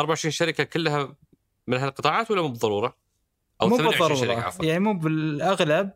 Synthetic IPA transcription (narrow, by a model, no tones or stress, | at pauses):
ʔɑɾˤbaʕɪʃɾiːnʃaɾɪkakɪlːha | mɪnɦalqɨt̪ˤɑːʕɑːt̪wɪlːamuːbɨðˤːɑɾˤuːɾˤɑ | ʔawmuːaʕˤːɑɾˤuːɾˤɑjaʕnimuːbɪlʔaɣlab̚